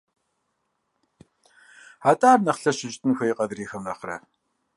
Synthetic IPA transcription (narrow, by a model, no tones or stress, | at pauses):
aːtʼaːrnɐχɬɐʃɪʑʼtʼʰɨnxʷɐjqʼɐdriːxɐmrɐχrɐ̰